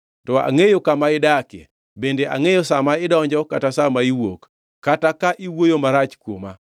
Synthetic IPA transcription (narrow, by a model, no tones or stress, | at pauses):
tɔa̰ŋejokamaɪdakjɛ̰ | bendeʔa̰ŋejosamaɪdɔɲd͡ʒɔkatasamaiwo̰kː | atakaʔiwojomaɾat͡ʃkwoma